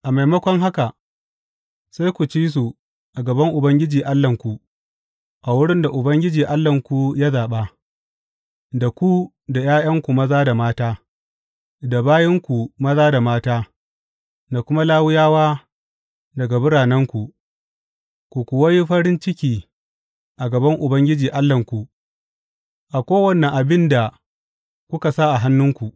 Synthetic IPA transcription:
ʔa˨ma˨jmɐ˦kʷɔ˦ŋɦa˦ka˨ | sa˦jkʷu˨t͡ʃiː˦s̬u˨ | ʔa˨ɡɐ˨bɐ˦ŋʔʊ˨bɐ˦ŋɡʲɪ˦d͡ʒiː˨ʔa˦lːɐ˨ŋkʷu˨ | ʔa˨wʊ˦ɽɪ˦nda˨ʔʊ˨bɐ˦ŋɡʲɪ˦d͡ʒiː˨ʔa˦lːɐ˨ŋkʷu˨ja˦zaː˨ɓa˦ | da˨kʷu˦ | da˨j̰aː˦jɐ˦ŋkʷu˨mɐ˦zaː˦da˨maː˦taː˦ | da˨baː˦jɪ˦ŋkʷu˨mɐ˦zaː˦da˨maː˦taː˦ | da˨kʷʊ˦ma˦laː˦wʊ˦jaː˦waː˦ | dɐ˨ɡa˨bʊ˦ɽaː˨nɐ˦ŋkʷu˨ʔ | kʷu˨kʷʊ˨wa˦ji˦ɸɐ˦ɾɪ˦nt͡ʃɪ˦kʲiː˨ | ʔa˨ɡɐ˨bɐ˦ŋʔʊ˨bɐ˦ŋɡʲɪ˦d͡ʒiː˨ʔa˦lːɐ˨ŋkʷu˨ | ʔa˨kʷoː˦wɐ˦nːɐ˨ʔa˨bɪ˦nda˨ | kʷʊ˦ka˨sa˦ʔa˨ɦa˦nːʊ˦ŋkʷu˨ʔ

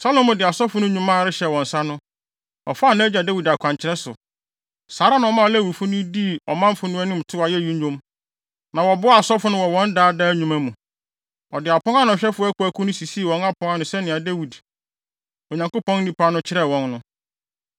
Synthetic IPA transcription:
sa˦lõ˦mːʊ̃˨dɪ˨a˨sɔ˦fʊ˨˦nʊ̃˦ɲᶣũ˦mã˦˨ɾɪ˦ɕɛ˨wɔ̃˨n̩˨sa˦nʊ̃˦ | ɔ̰˨fa˦˨nã˦d͡ʑa˨da˦wi˨da˨kʷʰã˨ɲt͡ɕʰɪ˦ɾɛ˦sʊ̰˨ | saː˨˦ɾa˦nã˨ɔ˨mã˦˨læ˦˨wi˨fʊ˦nʊ̃˦di˦˨ɔ˨mã˦m˦fʊ˦nʊ̃˦ɛ˦nʊ̃˦m̩˨tʰʊ˦a˨jɛ˦˨jũ˦õ˦m | nã˨wɔ˨bʊ˦a˨sɔ˦fʊ˨˦nʊ̃˦wɔ˨wɔ̃˦n˦daː˦daː˦ɲũ˨mæ̃˦mũ˨ | ɔ˨dɪ˨a˨pʰɔ˦a˦nʊ̃˨ɕᶣɛ˦fʊ˦æ˦kʰʊ˨˦æ˦kʰʊ˦nʊ̃˦si˨si˦˨wɔ̃˨˦na˦pʰɔ̃˦ŋa˦nʊ̃˨sɛ˦nɪ̃˨a˨dæ˦wi˨d | o˨ɲã˨ŋko˦pɔ̃˦n˦nĩ˨pʰa˦nʊ̃˦t͡ɕʰɪ˦ɾɛ˦˨wɔ̃˨nːʊ̃˦

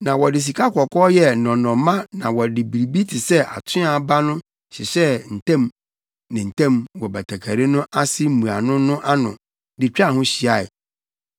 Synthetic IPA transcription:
nã˨wɔ˨dɪ˨s̬i˨kʰa˦kʰɔ˨kʰɔː˦jɛ˦nɔ̃˨nɔ̃˨mã˦nã˨wɔ˨dɪ˨bi˨ɾi˨bi˦tʰɪ˨sɛ˦ʔa̰˨tʰʊ̃˦a˨ba˦nʊ̃˦ | ɕɪ˨sɛ˦n̩˨tʰɛ̃˦m | nɪ̃˨n̩˨tʰɛ̃˦˨mwɔ˨ba˨tʰa˨kʰa˨ɾe˦nʊ̃˦ʔa˦sɪ˦mũ˨a˨nʊ̃˦nʊ̃˦ʔa˦nʊ̰̃˨ | dɪ˨t͡ɕᶣa˦˨ɦʊ̃˦ɕi˨a˨ɪ̰˨

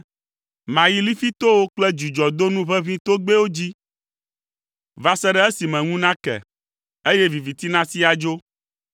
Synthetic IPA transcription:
mã˨ji˦li˦fi˦t̪o˦wo˦k͡plɛ˦d͡ʒu˨d͡ʒɔ˨d̪o˦nũ˦βɛ˦βĩ˦t̪o˦ɡ͡be˦wo˦d͡ʑi˦ | va˨sɛ˦ɖɛ˦e˦si˨mɛ̃˨ŋũ˦nã˦kɛ̰˨ | e˦je˦vi˨vi˨t̪i˦nã˦si˦a˨d͡ʒo˦

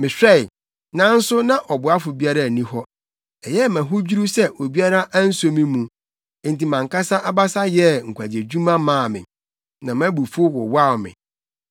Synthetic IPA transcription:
mɪ̃˨ɕᶣɾɛ˦ɪ˨ | nã˦n̩˦sʊ˦nã˦ʔɔ˨bʊ˨a˦fʊ˨bi˦a˦ɾa˦˨nĩ˦hɔ˦ | ɛ˨jɛ˦mæ̃˨ɦʊ˦d͡ʑi˦ɾu˦sɛ˦ʔo˨bi˦a˦ɾa˦ʔa˦n̩˦so˦mĩ˦mũ˨˦ | n̩˨ti˨mã˨ŋka˦sa˦ʔa˦ba˦sa˦jɛ˦ŋ̩˨kʷʰa˨d͡ʑe˨d͡ʑu˦mã˦mãː˦˨mɪ̰̃˨ | nã˨mã˦bu˨fu˦o˦wɔ̰˨wa˦˨mɪ̰̃˨

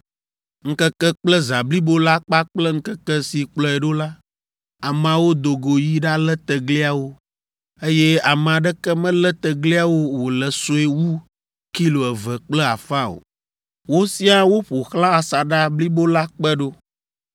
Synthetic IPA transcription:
ŋ̩˦kɛ˦kɛ˦k͡plɛ˦za˨bli˦bo˦la˦k͡pa˦k͡plɛ˦ŋ̩˦kɛ˦kɛ˦si˨k͡plɔ˨ɛ˨ɖo˦la˦ | a˨m˨ã˨wo˦d̪o˨ɡo˨ji˦ɖa˦lɛ˦t̪ɛ˨ɡli˦a˨wo˦ | e˦jɛ˦a˨m˨a˨ɖɛ˦kɛ˦mɛ̃˦lɛ˦t̪ɛ˨ɡli˦a˦wo˦wo˨lɛ˨so˦e˦wu˦ | ki˦lo˨ɛ˨vɛ˨k͡plɛ˦a̰˨fa˦o̰˨ | wo˦si˦a˦wo˦ɸo˨xlã˦a˨sa˨ɖa˦bli˦bo˦la˦k͡pɛ˦ɖo˦

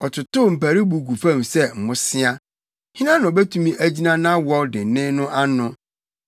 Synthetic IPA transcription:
ɔ˨tʰʊ˨tʊ˦m̩˨pæ˨ɾi˦bu˨ɡu˨fã˦˨msɛ˦m̩˨mʊ̃˦sɪ˦a˦ | hĩ˦nã˦nʊ̃˨bɛ˦tʰũ˦mĩ˦ʔæ˦d͡ʑi˦nã˦nã˦wɔ˦dɪ˨n˨nɪ̃˦nʊ̃˦ʔa˦nʊ̃˦

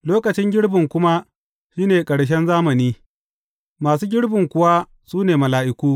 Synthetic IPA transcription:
loː˦kɐ˨t͡ʃɪ˦ŋɡʲɪ˦ɽbɪ˨ŋkʷʊ˦ma˦ | ʃiː˦neː˨kʼɐ˨ɽʃ̬ɛ˦nzaː˦mɐ˨niː˦ | maː˨s̬uː˦ɡʲɪ˦ɽbɪ˨ŋkʷʊ˦˨wa˦ | suː˦neː˨mɐ˨laː˨ʔɪ˦kuː˦

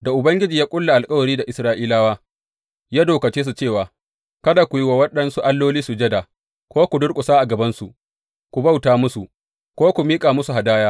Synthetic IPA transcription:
da˨ʔʊ˨bɐ˦ŋɡʲɪ˦d͡ʒiː˨jaː˦kʷʼʊ˦lːa˨ʔa˨lkʼɐ˦wɐ˨ɽiː˦da˨ʔɪ˨sɾaː˦ʔiː˦laː˦waː˦ | jaː˦doː˨kɐ˨t͡ʃeː˦s̬u˨t͡ʃeː˦˨waː˨ | kɐ˦daː˨kʷʊ˨ji˦wa˨wɐ˦ɗɐ˦nsu˦ʔa˦lːoː˦liː˦su˨d͡ʒɛ˦daː˨ | kʷoː˦kʷu˨dʊ˦ɽkʼʊ˨saː˦ʔa˨ɡɐ˨bɐ˦nsṵ˨ | kʷu˨ba˦wtaː˨mʊ˦su˨ʔ | kʷoː˦kʷu˨miː˦kʼaː˨mʊ˦su˨ɦa˨daː˦jaː˦

